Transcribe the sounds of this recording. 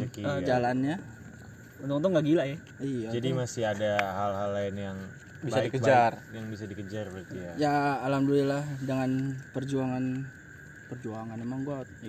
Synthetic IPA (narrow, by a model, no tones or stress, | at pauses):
kid͡ʒalanɲa | unt̪ʊkunt̪̬ʊŋɡaʔɡilaja | ijad͡ʒadimasiadaɦalɦalːaɪnjaŋ | bisaadikəbd͡ʒarjaŋbis̬adikəd͡ʒarbat̪ijajaːlamduilahdəŋanpərd͡ʒuaŋan | pərd͡ʒuaŋanemaŋɡat̪